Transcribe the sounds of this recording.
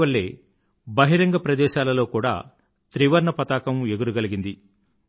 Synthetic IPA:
ɐɭːe̞ː | bɐɦiɾɐŋɡɐpɾɐd̪ɛːʃaːlɐlo̞ːkuːɽa̰ː | t̪ɾiʋɐɾɳɐpɐt̪aːkɐmeɡuɾuɡɐliɡind̪i

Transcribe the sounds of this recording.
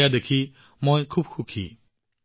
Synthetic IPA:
jad̪ekʰi | mojkʰub̚kʰukʰḭ

